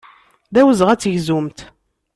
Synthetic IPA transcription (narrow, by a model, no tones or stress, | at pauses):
ðæwəzʁæt͡sːəʝzumt̪